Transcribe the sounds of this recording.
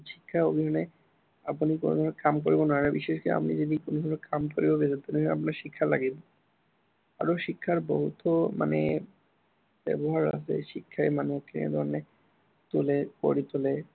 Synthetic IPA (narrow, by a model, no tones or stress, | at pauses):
ʃikʰːaobʱiɦone | apunikonod̪ʱɔɾonekamk̬oɾibonaɾabiʃeʃka̰pnid͡ʑed̪ikonod̪onokamkoɾibobed͡ʑat̪ːomia̰p̬naɾʃikʰːalaɡibo | a̰ɾoʃikʰːaɾboɦut̪oma̰nḛ | bɛ̰boɦaɾa̰sʰḛʃikʰːaemaneokʰːinḛɾd̪ʱɔɾne | t̪uleko̰ɾit̪ule